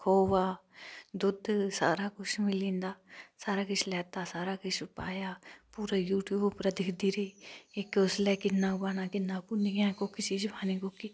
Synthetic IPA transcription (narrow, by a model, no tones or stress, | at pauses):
kʰoːʋaːd̪ʊd̪sa̰ːɾaːkʊt͡ʃmɪlĩːnd̪aːsaːɾaːkɪt͡ʃʰlɛːt̪aːsaːɾaːkɪt͡ʃʰʊpaːjaːpuːɾaːjuːʈjuːbʊpɾaːd̪ɪkʰd̪iːɾiːɪkʊslɛːkɪnːaːʊpaːnaːkɪnːãːpʊniɡãːkoːkit͡ʃiːd͡ʒpʰaːniːkoːkiː